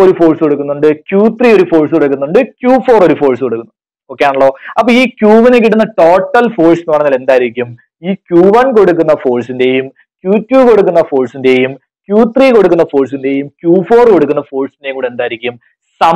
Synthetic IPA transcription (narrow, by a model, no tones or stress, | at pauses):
oɾufo̞ːɭsɨko̞ɽuk̬ːunːuɳɖɨkʲjuːt̪riːo̞ɾufo̞ːɭsɨkoɽuk̬ːunːuɳɖɨkʲjuːfo̞ːro̞ɾufo̞ːɭsɨkoɽukːunː | okːejaːɳɐɭːo̞ːɐpːoːiːkʲjuːʋinek̬ːiʈːunːɐʈo̞ːʈːɐlfo̞ːɭsinɨʋɐɽɐŋːɐle̞nd̪aːjiɾikʲːum | iːkʲjuːʋɐnko̞ɽuk̬ːunːɐfo̞ːɭsinde̞ːjum | kjuːtːjuːko̞ɽukːunːɐfo̞ːɭsinde̞jum | kʲjuːt̪riːko̞ɽuk̬ːunːɐfo̞ːɭsinde̞jumkʲjuːfo̞ːrko̞ɽukːunːɐfo̞ːɭsindejŋuːɽe̞nd̪aːjiɾikʲːum | sɐ